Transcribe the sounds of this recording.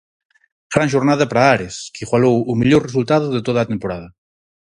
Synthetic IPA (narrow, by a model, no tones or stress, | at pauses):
fɾãnʒoɾnað̞apɾaaɾeskiɣwalowumiʎoɾresult̪að̞ʊðet̪oðat̪empoɾað̞ɐ